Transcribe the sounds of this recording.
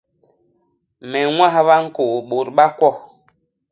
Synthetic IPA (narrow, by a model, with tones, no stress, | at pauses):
mɛ˨ŋwa˦hba˦ŋ̩˦ko˨ʔɓo˨ɾɓa˦kwɔ˦˨